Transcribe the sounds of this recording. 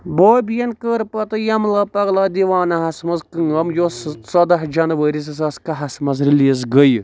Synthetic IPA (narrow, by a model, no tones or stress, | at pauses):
boːbijɐnkəːɾpɐt̪ɨjɐmlaːpɐɡlaːd̪iʋaːnɐɦɐsmɐzkɨŋɐmjossɐd̪ɐɦd͡ʒɐnʋəːɾis̬ɨs̬ɐskɐɦɐsmɐzɾilizɡəj